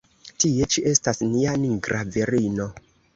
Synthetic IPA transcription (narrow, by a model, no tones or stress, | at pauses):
tie̞t͡ʃiʔe̞stasnianiŋɡɾʔaveɾino̞